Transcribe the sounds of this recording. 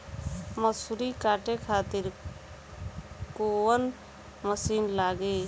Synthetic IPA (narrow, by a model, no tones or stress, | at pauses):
məsuɾikaːʈekʰaːt̪ɪɾ | koːwən | məsiːnlaːɡeː